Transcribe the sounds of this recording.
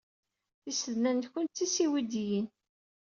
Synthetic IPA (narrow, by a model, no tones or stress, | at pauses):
θisəðnænt̪kːənt̪ːisiwid̪jin